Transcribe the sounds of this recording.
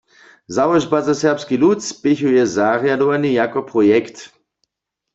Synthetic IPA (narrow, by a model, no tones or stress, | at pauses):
zawɔʒbazasɛʁpskiluspɪçujɛzaʁjadɔʋanijakɔpʁɔjɛkt̪